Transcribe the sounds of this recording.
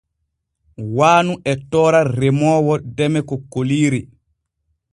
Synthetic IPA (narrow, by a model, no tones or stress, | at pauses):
waːnuɛtɔːɾarɛmɔːwɔdɛmɛkɔkːoliːɾi